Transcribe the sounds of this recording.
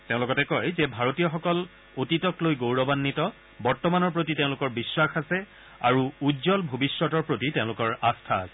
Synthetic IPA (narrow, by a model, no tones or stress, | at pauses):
teʊ̃lʊkɔtɛkɔjzɛbʱaɹotijɔxɔkɔl | otitɔklojɡowɹɔbanːitɔ | bɔɹtɔmanɔɹpɹotitẽʊ̃lʊkɔɹbiswaxasɛ | a̰ɹuudzɔlbʱobisɹɔtɔɹpɹotiteʊ̃lʊkɔɹastʰa̰ːsɛ̥